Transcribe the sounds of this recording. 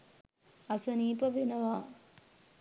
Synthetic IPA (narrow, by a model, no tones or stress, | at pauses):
ɐsɐniːpɐʋenɐʋaː